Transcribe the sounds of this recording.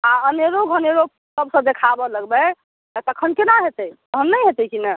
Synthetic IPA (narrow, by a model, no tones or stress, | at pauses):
aəneɾoɡʱəneɾo | səbsə̃d̪ekʰabɔləɡbə | ət̪əkʰənkenaɦet̪əj̪əɦənːəjɦet̪əkina